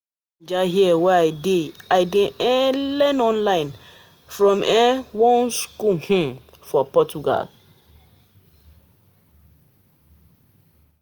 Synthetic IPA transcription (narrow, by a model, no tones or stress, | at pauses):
d͡ʒaɦiɛwɛaɪdeaɪdẽʔɛ̃lɛ̃nɔ̃nlãɪ̃n | fɹɔ̃mʔɛ̃wɔ̃nskuhũm | fɔpɔt͡ʃuɡa̰l